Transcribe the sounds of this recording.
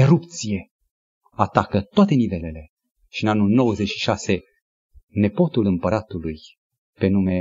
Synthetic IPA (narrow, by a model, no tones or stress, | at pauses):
eɾup̚t̪sije̞ | at̪akət̪oat̪e̞nive̞le̞le̞ | ʃiɨnanːulno̞wəzet͡ʃʃi̥ʃase̞ | ne̞po̞t̪ulɨmpəɾat̪uluj | pe̞nume̞